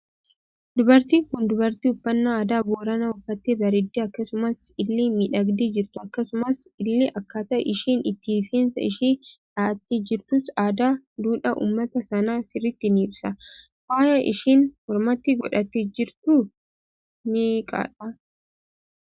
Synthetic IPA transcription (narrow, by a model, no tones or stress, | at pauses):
d̪ʊbɐɾt̪iːŋkʊnd̪ʊbɐɾt̪iːʊfːɐnːaaːd̪aːboːɾɐnɐʊfːɐt̪ːebɐɾɪd̪ːeːɐkːɐsʊmɐsɪlːeːmiᶑɐɡd̪eːd͡ʒɪɾt̪ʊɐkːɐsʊmɐsɪlːeʔɐkːaːt̪ɐɛ̰ʔɪʃiːnɪt̪ːifeːnsɐ̰ɪʃiːᶑaːɐt̪ːid͡ʒɪɾt̪ʊsaːd̪aːd̪uːᶑɐʔṵːmːɐt̪ɐsɐnaːsɪrːɪt̪ːɪniːbsɐ | waːjɐʔɪ̰ʃiːnhɔɾmɐt̪ːɪɡɔᶑɐt̪ːed͡ʒɪɾt̪ʊ | miːkʼa̰ːᶑɐ